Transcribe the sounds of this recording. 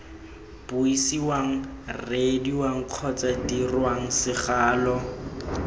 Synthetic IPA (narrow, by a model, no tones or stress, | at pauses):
b̥ʊisiwaŋ̩rediwaŋ̩q͡χʰɔt͡sadirwaŋ̩sɪχaːlɔ